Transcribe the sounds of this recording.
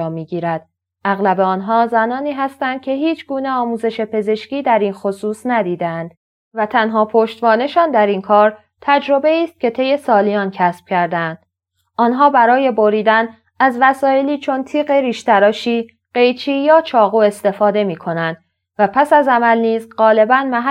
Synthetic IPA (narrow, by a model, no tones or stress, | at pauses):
miːɡiːɾæd̪̥ | ʔæɣlæbeɒːnɦɒːzænɒːniːɦæst̪ænd̪̚cʲʰe̞ɦiːt͡ʃʰɡuːne̞ɒːmuːze̞ʃe̞pʰe̞ze̞ʃciːd̪æɾiːnxo̞suːsnæd̪iːd̪eænd̪̥ | væt̪ʰænɦɒːpʰoʃt̪vɒːne̞ʃɒːnd̪æɾinkʰɒːɾ | t̪ʰæd͡ʒɾo̞be̞iːst̪̚cʰe̞t̪ʰe̞je̞sɒːlijɒːncʰæsb̥̚cʰæɾd̪eænd̪̥ | ɒːnɦɒːbæɾɒːje̞bo̞ɾiːd̪æn | æzvæsɒːe̞liːt͡ʃʰo̞nt̪ʰiːɣeɾiːʃt̪æɾɒːʃiː | ɢ̥e̞jt͡ʃʰiːjɒːt͡ʃʰɒːɣuːe̞st̪e̞fɒːd̪e̞miːkʰo̞nænd̪̥ | væpʰæsæzæmælniːzɢɒːle̞bænmæɦ